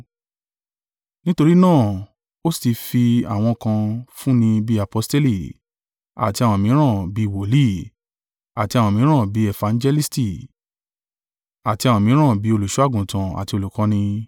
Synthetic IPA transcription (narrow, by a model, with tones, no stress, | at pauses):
nĩ˦to˧ɾi˦nãː˦˨ | o˦sti˧fi˧a̰˨w̃ɔ̃˧kã˧fũ˦nĩ˧bi˧˦a˨pɔ˧ste˦li˦˨ | a̰˨ti˧a˧w̃ɔ̃˧mĩ˨˦ɾ̃ã˦˨bi˧˦˧wo˨li˦ | a̰˨ti˧a˧w̃ɔ̃˧˨mĩ˨˦ɾ̃ã˦˨bi˨˦ɛ˦˨fã˨˧nd͡ʒɛ˧li˦sti˦˨ | a˨ti˧a˧w̃ɔ̃˧mĩ˨˦ɾ̃ã˦˨bi˨˦o˧lu˨ʃu˦a˦˨ɡũ˨tã˨a̰˨ti˧o˧lu˨kã˨˧nĩ˧